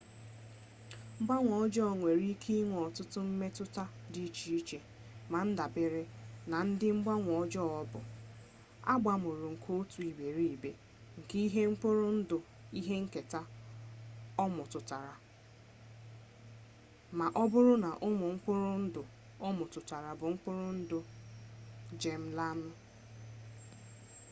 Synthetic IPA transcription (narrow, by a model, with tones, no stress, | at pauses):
ŋ͡m̩˦ɡ͡ba˦ŋʷɔ˨˦d͡ʒɔ˦˨ŋʷe˨ɾi˦kʰi˦i˦ŋʷ˨ɔ˨tʊ˦tʊ˦m̩˦me˦tʊ˦ta˦di˦t͡ʃi˨i˦t͡ʃe˨ | ma˨n̩˦da˨be˨ɾe˦na˨n̩˦dɪ˦ŋ͡m̩˦ɡ͡ba˦ŋʷɔ˨d͡ʒɔ˦ɔ˦bʊ̰˨ | a̰˦ɡ͡ba˨mʊ˨ɾʊ˨ŋ̩˨kʰo˦tu˨i˨be˨ɾi˦˨i˨be˨ | ŋ̩˨ki˦i˦ɦe˦ŋ͡m̩˦k͡po˦ɾʊ˦n̩˦dʊ˨ | i˦ɦe˦ŋ̩˦ke˨ta˦ | ɔ˦mʊ˨tʊ˨ta˨ɾa˨ | ma˨ʔɔ˦bʊ˦ɾʊ˦na˨ʔʊ˦mʊ˨ŋ̩˦k͡pʊ˦ɾʊ˦n̩˦dʊ˨ | ɔ˦mʊ˨tʊ˨ta˨ɾa˨bʊ˨ŋ̩˦k͡pʊ˦ɾʊ˦n̩˦dʊ˨ | d͡ʒe˨m̩˦la˦nʊ˦